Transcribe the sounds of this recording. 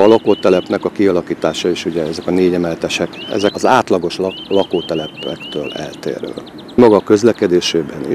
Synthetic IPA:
ɒlɒkoːt̪ɛlɛpnɛkɒkiɒlɒkiːt̪aːʃɒeːʃuɟɛɛzɛkɒneːɟɛmɛlt̪ɛʃɛkɛ̰zɛɒzaːt̪lɒɡo̞ʃlɒkoːt̪ɛlɛpɛ̰kt̪øːlɛ̰lt̪ḛːɾø̰ː | mɒɡɒkø̞zlɛkɛd̪eːʃeːbɛniʃ

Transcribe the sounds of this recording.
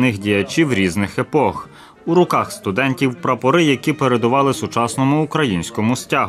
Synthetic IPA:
nɪxdʲijɐt͡ʃʲiwɾʲiznɪxepɔx | uɾʊkɑxst̪ʊd̪ɛnʲtʲiwpɾɐpɔɾɪjɐkʲipeɾe̞d̪ʊʋɑlˠɪsʊt͡ʃɑsnɔmʊːkɾɐjinʲsʲkɔmʊsʲtʲaɦ

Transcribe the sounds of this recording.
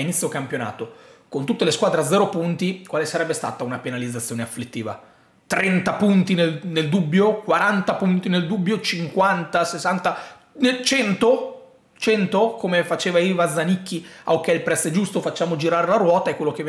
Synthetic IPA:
init̪sːjokampjona̰ːt̪okont̪ut̪ːeleskwaːd̪ɾead̪zɛːɾopunt̪ikwaːlesaɾɛbːest̪a̰ːt̪aunapenalid̪zat̪sːjoːneaflit̪ːiːva̰ | t̪ɾɛnt̪apunt̪ineneld̪ubːjokwaɾant̪apunt̪ineld̪ubːjot͡ʃiŋkwant̪asesːant̪a | net͡ʃɛnt̪o | t͡ʃɛnt̪okomefat͡ʃeːvaivad̪zːanikːia̰wkːɛilpɾɛsːed͡ʒust̪ofat͡ʃːaːmod͡ʒiɾaːɾelaɾwɔːt̪aekːwelːok̟ev

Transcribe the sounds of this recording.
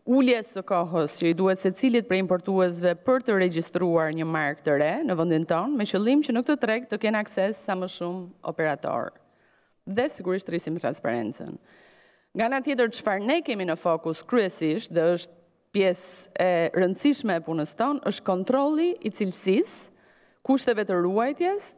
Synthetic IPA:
uljɛsəkɔɦəst͡ɕəid̪uɛsɛt͡silit̪̚pɾɛimpɔɾt̪uɛs̬vɛpəɾt̪əɾɛd͡ʑist̪ɾuaɾɲəmaɾk̚t̪əɾɛnəvənd̪int̪ɔnmɛt͡ɕəlˠimt͡ɕənuk̚t̪ət̪ɾɛɡ̚t̪əkɛnaksɛsːaməʃumɔ̰pɛɾat̪ɔ̰ɾ | ðɛsiɡuɾiʃt̪ɾisimt̪ɾa̰nspa̰ɾɛ̰nt͡sə̰n | ŋɡaanat̪jɛt̪̬əɾt͡ʃfaɾnɛkɛminəfɔkuskɾyɛsiʃt̪ðɛəʃt̪̚ | pjɛsɛɾənd̪siʃmɛːpunəst̪ɔnə̰ʃt̪̚kɔnt̪ɾɔlˠiːt͡silsis | kuʃt̪ɛvɛt̪əɾuajt̪jɛs

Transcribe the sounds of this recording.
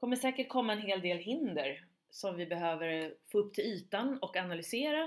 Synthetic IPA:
kʰɔmːəʂɛːkəʈ̚kʰɔmːaɛnheːld̪eːlɦɪnd̪əɾ | sɔmvɪbɛɦøːvəɾfoːɵpːt̪ʰɪlyːt̪anɔkanalʏseːɾa

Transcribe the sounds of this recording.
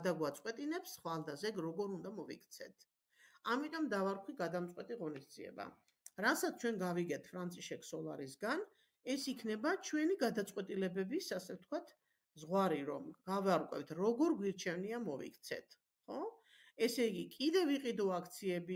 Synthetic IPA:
d̪aɡwat̪sʼqʼwɛt̪ʼinɛpsχalˠd̪azɛɡɾɔɡɔɾund̪amɔvḭkʰt̪sʰɛt̪ʰ | amit̪ʼɔmd̪avaɾkʰwiɡad̪amtsʼqʼwɛt̪ʼiʁɔnisd̪ziɛ̰ba̰ | ɾasat̪ʰt͡ʃʰwɛnɡaviɡɛt̪ʰfʰɾant̪sʼiʃɛkʰsɔlˠa̰ɾisɡan | ɛsikʰnɛbat͡ʃʰwɛniɡad̪at̪sʼqʼwɛt̪ʼilɛbɛbisasɛft̪ʰkʰwat̪ʰ | zʁwaɾiɾɔ̰mɡ̥avaɾkʼwɛ̰pt̪ʰɾɔɡɔɾɡwiɾt͡ʃʰɛvniamɔvḭkʰt̪sʰɛ̰t̪ʰ | χɔ | ɛsɛiɡikʼid̪ɛviqʼid̪ɔakʰt̪sʰiɛbi

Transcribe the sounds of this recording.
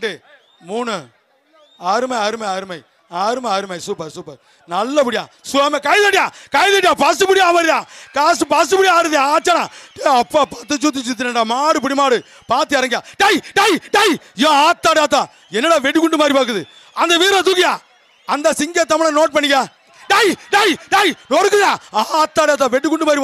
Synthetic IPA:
ɳɖɯ | muːnɯ | aːɾɯmɐjaːɾɯmɐjaːɾɯmɐj | aːɾɯmɐjaːɾɯmɐjsuːpɐɾsuːpɐɾ | nɐlːɐpʊɽɪjã̰ːsʊaːmekɐɪðɐʈɪjãːkɐɪðɐʈɪjãːpɐsɯpʊɽɪjaːʋɐɾðãːkaːsɯpɐsɯpʊɽɪjaɾɯðjãaːt͡ʃːaːnãːʈeːɐpːaːpːɐt̪ːɯt͡ʃuːt̪̬ːit͡ʃuːt̪̬iɾɐɳɖaːmaːɽɯp̬ʊɽimaːɽɯ | paːɾt̪ːɯɐɾɐŋɡjãːɖɐjɖɐjɖɐjjõːaːt̪ːaːɽaːt̪̬ːãː | ɛnːɐɽaːʋɛʈːɯkːʊɳɖɯmaːɾipaːk̬ːɯðɯ | ɐnd̪ɐʋiːɾɐ̃t̪ukɪjãː | ɐnd̪ɐsɪŋɡet̪ɐmɪɭɐ̃noːʈ̚pɐɳːɪŋɡaː | ɖɐjɖɐjɖɐjnɔɽɯk̬ːɯðãːaːaːt̪ːaːɽaːt̪ːãːʋɛʈːɯkʊɳɖɯmaːd̪ɾip

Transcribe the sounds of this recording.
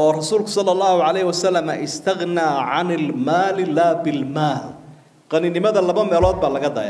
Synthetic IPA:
ʔɔːrɑsuːlkʰʊ̥sɑlːɑlˤːɑːhʊʕɑlɛjhɪwɐsɐlːɐmɐʔɪst̪ʰɐɣnaːʕanɪlmaːlɪlaːbɪlmaːl | qɑnɪnɪmɐðɐlɐβɐmɛːlɔːd̪̚baːlɐɣɐd̪ɐ̰ːj̰

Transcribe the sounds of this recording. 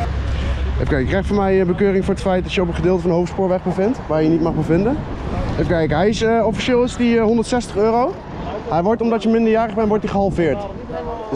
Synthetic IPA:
efkɛjkrɛjχtfɔːmɛjəbəkøːrɪŋfʊːɹətfɛjt̚dɑtjəɔp̬ətχədɪːlˠtəfɑndəɦowftspʊːɹʋɛχbəvɪntʋaːɹjənitmɑχbəvɪndəefkɛjkɦɛjɪsəɔfiʃɪːlˠɪsdiɦɔndətsɛstəχøːrow | hɛjʋɔɹtɔmdɑtjəmɪndəɹjaːrəχbɛnʋɔɹtdiχəɦɑlˠvɪːɹt

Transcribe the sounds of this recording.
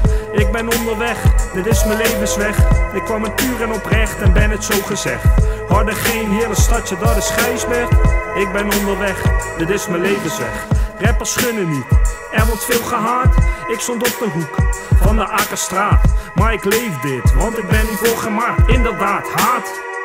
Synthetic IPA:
ɪɡ̚bɛnɔndərʋɛχd̥ɪtɪsməlejvənsʋɛχɪkːʋɑmətyːrɛnɔprɛχtɛnbɛnətsowχəzɛχthɑdəχejnɦɪːləstɑtjədɔdəsχɛjsʋɛɹtɪk̚bɛnɔndərʋɛχd̥ɪtɪsməlejvənsʋɛ̰χrɛpəɹsχønənyt | ɛʋɔtfɪːlˠχəɦaːtɪkstontɔp̚dəɦukfɑndəʔaːkəstraːtmaːɹɪklejvdɪtʋɑntɪk̚bɛniʋoχəmaɪndərdaːthaːt

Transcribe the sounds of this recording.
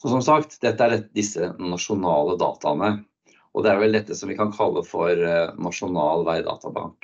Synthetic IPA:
ɔsɔmsɑkt̪d̪ɛt̪ːəæɖɛd̪ɪsːənɑʂʊnɑːləd̪ɑ̰ːt̪ʰɑnə | ʔɔ̰d̪ɛæɾʋɛld̪ɛt̪ːəsɔmʋɪkʰɑnkʰɑlːəfɔɾnɑʂʊnɑːlʋæɪd̪ɑ̰ːt̪ɑbɑ̰ŋk

